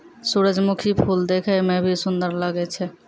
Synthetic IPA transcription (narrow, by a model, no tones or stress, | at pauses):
suɾəd͡ʒmukʰipʰuld̪ekʰəjmẽbʱisund̪əɾləɡɛt͡ʃʰɛ